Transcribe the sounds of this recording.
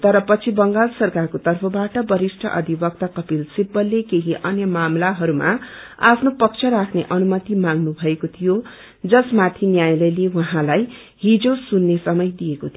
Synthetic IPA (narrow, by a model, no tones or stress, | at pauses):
t̪ʌɾʌpʌt͡sʰibʌŋɡalsʌrkarkot̪ʌrpʰʌbaʈʌbʌɾisʈʰʌ̰ʔʌ̰d̪ʱibʌk̚t̪akʌpilsibːʌlːekeɦiʔʌnjʌmamlaɦʌɾuma̰ | a̰pʰnopʌkt͡ʃʰʌɾakʰneʔʌnumʌt̪imãŋnubʱʌekot̪ʰijo | d͡zʌsmat̪ʰinjajlʌjlewʌɦãlaj | ɦid͡zosunːesʌmʌjd̪ijekot̪ʰ